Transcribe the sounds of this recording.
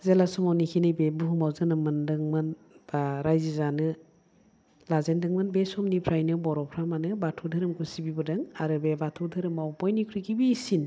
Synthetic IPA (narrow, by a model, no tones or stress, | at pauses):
zelasɔmawnikʰinɯbebuhumawzɯnɯmɯndɯŋmɯn | b̥aɾajzizanɯ | lazendɯŋmɯnbesɔmnipʰɾajnɯbɔɾɔpʰɾamanɯbatʰuwdʰɯɾɯmɡusibibɯdɯŋaɾɯbebatʰɔwdʰɯɾɯmawbɔjnikʰɾuɡibisin